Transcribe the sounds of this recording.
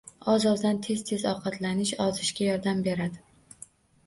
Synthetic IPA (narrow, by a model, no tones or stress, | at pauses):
ɒzɒzd̪ant̪ʰe̞z̥t̪ʰe̞zɒqʰɑt̪ʰlanɪʃɒzɪʃkʲajɒɾd̪ambe̞ɾad̪ɪ